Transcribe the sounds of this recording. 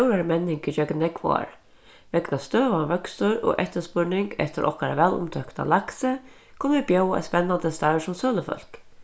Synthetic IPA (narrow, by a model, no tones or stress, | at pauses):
wɾaɾəmɛnːɪŋkɪt͡ʃœknɛkʋɔ̰a̰ɹ | ʋɛknast̪øːʋavœksʊɾɔ̰ʔɛht̪əspʊɹnɪŋkɛ̰ht̪ɪɾʔɔ̰hkaɾa̰ʋɛːlʊ̰mt̪ʰœkt̪a̰laksə | kʰʊnəʋibjœwɛ̰spɛnːand̪əst̪asʊmsœːləfœ̰l̥k